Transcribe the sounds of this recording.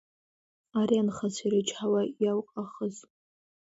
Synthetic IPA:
aɾianχasiɾɨt͡ʃʰħawajawqʼaχəz

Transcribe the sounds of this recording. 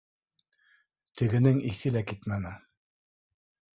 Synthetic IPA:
t̪ʰɘ̆ɡɘ̆nɘŋiθɘlækit̪mænɘ

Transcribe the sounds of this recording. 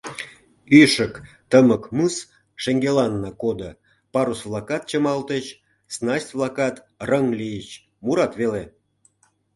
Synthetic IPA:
yʃək | t̪əməkmɯs | ʃeŋɡelɑnːɑkod̪ə | pɑɾusvlˠɑkɑt̪̚t͡ɕəmɑlt̪ət͡ɕ | snɑsʲvlˠɑkɑt̪ | rəŋlijət͡ɕ | muɾɑt̪βele

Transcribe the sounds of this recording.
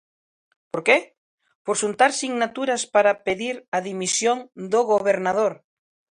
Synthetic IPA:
poɾke | poɾʃunt̪aɾsiŋnat̪uɾaspaɾapeðiɾaðimisjoŋd̪oɣoβ̞eɾnað̞oɾ

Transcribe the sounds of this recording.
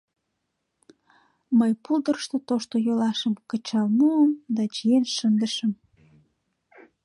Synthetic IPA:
məjpuld̪ərʃt̪ot̪oʃt̪ojolɑʃəmkət͡ɕɑlmuəmd̪ɑt͡ɕijenʃənd̪əʃəm

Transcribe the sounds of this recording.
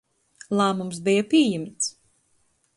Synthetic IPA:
lˠaːmumsbijapiɛjimt̪s

